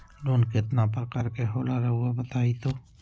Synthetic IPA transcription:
loːnkɪt̪napɐɾkɐɾkeɦoːlaɾɐɦʊabɐt̪aːit̪oː

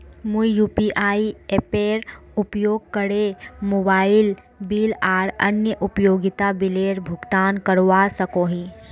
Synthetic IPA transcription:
mũjuːpiːʔaːieːpeːɾʊpjoːɡ̚kəɽemoːbaːɪl | biːlaːɾɐ̰njəʔʊpjoːɡɪt̪abɪleːɾbʱʊɡt̪aːnkəɾʋasɐkoɦĩː

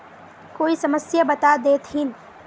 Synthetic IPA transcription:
koːisɐməsjabət̪ad̪eːt̪ɦin

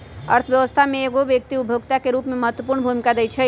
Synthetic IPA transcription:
ə̰ɾt̪ʰəʋjəʋəst̪ʰamẽeːɡoʋjək̚t̪iʊbʱjoːɡt̪akeɾuːpmẽmɐɦət̪wəpuːɾɳəbʱumɪkad̪eit͡ʃʰɛ

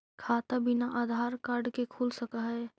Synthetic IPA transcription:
kʰaːt̪abɪnaʔaːd̪ʱaːɾkaːɾɖkekʰuːlsɐkaɦɛː

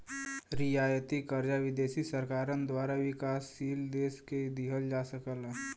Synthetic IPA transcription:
ɾijaːjət̪ikəɾd͡ʒaʋɪd̪eːsisəɾkaːɾənd̪waːɾaʋɪkaːsːiːld̪eːsked̪iɦəld͡ʒaːsəkəlɛ

